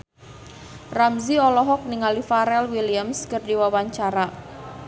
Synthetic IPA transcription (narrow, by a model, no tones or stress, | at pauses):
ramziɔlɔɦɔk̚niŋalifaɾɛlwiliamskərdiwawaɲt͡ʃaɾa